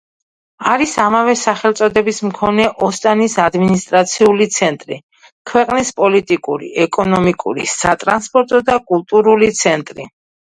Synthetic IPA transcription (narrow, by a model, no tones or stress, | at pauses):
aɾisamavɛsaχɛlt̪sʼɔd̪ɛbismkʰɔnɛʔɔst̪ʼanisad̪minist̪ʼɾat̪sʰiulit̪sʰɛnt̪ʼɾḭ | kʰwɛqʼnispʼɔlit̪ʼikʼuɾḭɛkʼɔnɔmikʼṵɾḭsat̪ʼɾanspʼɔɾt̪ʼɔd̪akʼulˠt̪ʼuɾulit̪sʰɛnt̪ʼɾi